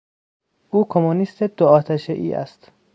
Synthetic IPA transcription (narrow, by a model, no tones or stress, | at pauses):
ʔuːkʰomonist̪ʰed̪̥oɒːt̪ʰæʃeʔḭːʔæ̰st̪